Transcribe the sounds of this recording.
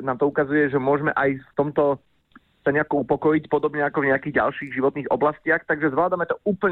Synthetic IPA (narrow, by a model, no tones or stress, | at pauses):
naːmt̪ɔukazujɛʒɛmʊɔʒmɛʔajft̪ɔmt̪ɔ | saɲɛakuupɔkɔjicpɔd̪ɔbɲɛakɔvɲɛakiːɣɟa̰lʃiːɣʒiʋɔt̪niːɣɔblascɪaxt̪aɡʒɛzʋlaːd̪amɛt̪ɔuːpl̩